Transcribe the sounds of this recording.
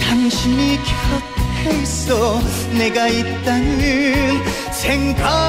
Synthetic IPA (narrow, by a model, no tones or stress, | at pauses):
tanɕʰimikjʌteɭs͈ʌ | ne̞ɡait̚t͈anʌn | sʰe̞ŋɡa